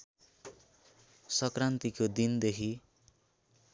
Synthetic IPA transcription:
sʌkrant̪ikod̪ind̪ekʰi

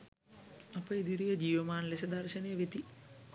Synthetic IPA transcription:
ɐpːɐid̪iɾijɐd͡ʑiːʋɐmaːnlesɐd̪ɐrʃɐnejɐʋet̪i

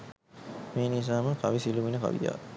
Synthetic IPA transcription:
meːnis̬aːməkaʋisiluʋinəka̰ʋḭja̰

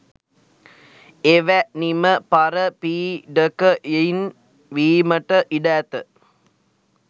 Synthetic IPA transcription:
eʋæniməpaɾəpiːɖəkəjein | ʋiːməʈəʔiɖæːt̪ə

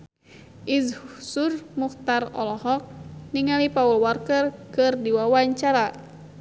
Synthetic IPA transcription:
ʔizhsurmuxt̪arɔ̰lɔɦɔk̚niŋalipaulwarkərkɨrdiwawaɲt͡ʃaɾa

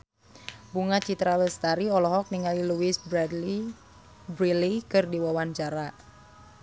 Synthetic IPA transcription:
buŋat͡ʃit̪ɾawəst̪aɾiɔlɔɦɔk̚niŋaliluisbdi | bɾilikɨrdiwawaɲt͡ʃaɾa

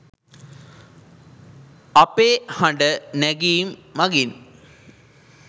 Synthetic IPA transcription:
ɐpeːhɐɳɖəneɡijmːɐɡin

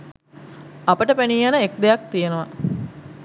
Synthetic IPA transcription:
apəʈəpæniːjanəek̚d̪ejak̚t̪ijenəʋa

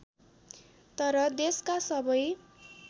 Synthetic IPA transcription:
t̪ʌɾʌd̪eskasʌbʌj

